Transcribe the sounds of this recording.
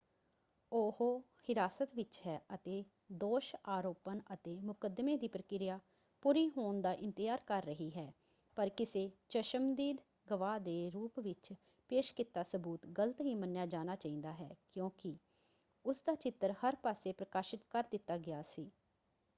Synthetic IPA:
oːhoː | hɪɾaːsət̪ʋɪt͡ʃɦɛːʔət̪eː | d̪oːʃaːɾoːpənət̪eːmʊkəd̪meːd̪iːpɾəkɪɾɪjaː | puːɾiːɦoːɳd̪aːʔɪ̃nt̪ɪjaːɾkəɾːəɦiːɦɛː | pəɾkɪseːt͡ʃəʃəmd̪iːd̪ | ɡəʋaːd̪eːɾuːpʋɪt͡ʃ | peːʃkɪt̪ːaːsəbuːt̪ɡələt̪ɦiːmənjaːd͡ʒaːnaːt͡ʃaːĩːnd̪aːɦɛ̰ːkjõːkɪ | ʊsd̪aːt͡ʃɪt̪ːəɾhəɾpaːseːpɾəkaːʃɪt̪kəɾd̪ɪt̪ːaːɡɪaːsiː

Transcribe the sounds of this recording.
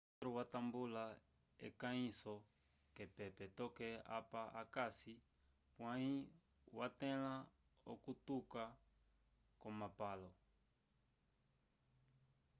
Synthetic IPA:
ɾuwatambula | ɛ̰kaĩsɔ | kɛpɛpɛtɔkɛa̰paʔakasi | pwãi | watɛ̃la | ɔ̰kutuka | kɔmapalɔ

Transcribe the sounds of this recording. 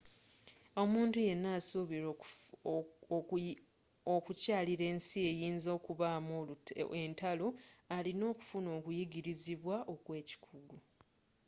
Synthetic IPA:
o̞muːntuje̞nːaːsuβiɾo | okucaːliɾe̞ːnsie̞jiːnzo̞ːkuβaːmoentaloalino̞ːku̥funo̞ːkujiɡiɾiziβwaʔo̞kwe̞ːci̥kʰuɡu

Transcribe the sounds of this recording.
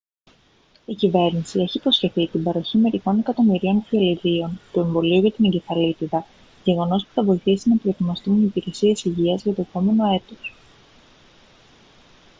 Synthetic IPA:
icive̞ɾnisie̞çipɾo̞sçe̞θit̪ibɐɾo̞çime̞ɾixo̞ne̞kɐt̪o̞miɾio̞nfioliɾio̞nt̪ue̞ɱvo̞liuʝɐt̪ineɲɟe̞θɐlit̪iðɐ | ʝe̞ɣo̞no̞spu̥θɐvo̞iθisinɐpɾoet̪imɐst̪umipiɾe̞sie̞siʝiɐzʝɐt̪o̞e̞po̞me̞no̞e̞t̪o̞s

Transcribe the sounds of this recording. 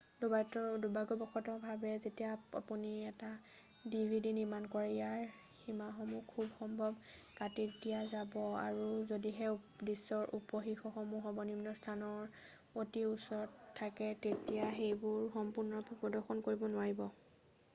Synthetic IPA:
dubatɔdubaɡɔbɔxɔtɔbʱabɛzetijaa̰puniɛta | dibʱidiniɹmankɔɹɛjaɹ | himaxɔmukʰubxɔmbʱɔb | katikdijazabɔa̰ɹuzodiɦɛdisɔɹʔupɔxixɔxɔmuxɔbɔnimnɔstʰanɔɹ | otiusɔɔtʰːakɛtetijaxejbʊɹxɔmpuɹnɔpʰupɔdɔɹxɔnkoɹibɔnʊwaɹibɔ

